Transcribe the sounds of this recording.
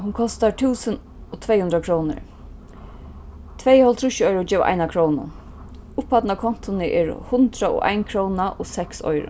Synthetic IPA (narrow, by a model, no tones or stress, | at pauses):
ɦʊnkʰɔst̪at̪ʰuːsən | ɔt̪ʰveːjhʊnd̪ɾakʰɾownɪ̰ɹ | t̪ʰvejhɔlt̪ʰɾʊʃɪɔjɾʊd͡ʒeːvʔa̰ɪjnakʰɾownʊ̰ | ʊphad̪nakʰɔn̥t̪ʊnɪʔɛ̰ɹhʊnt̪ɾaɔ̰ʔa̰ɪnkʰɾɔwnaʔɔsɛksɔ̰jɾʊ̰